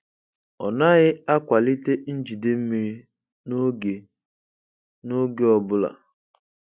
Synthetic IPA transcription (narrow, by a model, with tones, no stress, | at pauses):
ɔ̰˨na˦ɣɪ˦a˦kʷa˨li˦te˦n̩˦d͡ʒi˨de˦m̩˦mi˨ɾi˦ | n˦ɡe˨ | no˦ɡe˦ɔ˨bʊ˦la̰˨